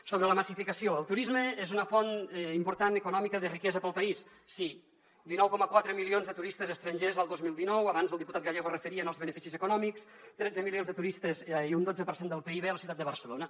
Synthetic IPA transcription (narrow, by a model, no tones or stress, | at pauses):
soβɾələməsifikəsioəlˠt̪uɾizməezunəfonimpuɾt̪anəkunɔmikəðərikɛzəpəlˠpəisː | i | d̪inɔwkɔməkwat̪ɾəmilionzðət̪uɾist̪əzəst̪ɾənʲʒezəlˠd̪ozmilˠd̪inɔwəβanzəlˠd̪iput̪at̪ɡaʎeɣorəfəɾiənəlˠzβənəfisizəkunɔmiks | t̪ɾɛd͡zəmilionzðət̪uɾist̪əzund̪od͡zəpəɾsend̪əlˠpeiβeələsiwt̪at̪d̪əβəɾsəlonə